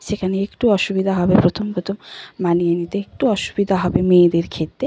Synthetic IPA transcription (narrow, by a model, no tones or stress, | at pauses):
ʃekʰaneekʈuɔʃubid̪ʱaɦɔbepɾot̪ʰompɾot̪ʰomːanijenit̪eek̚ʈuɔʃu̥bid̪ʱaɦɔbemed̪eɾkʰet̪ːɾe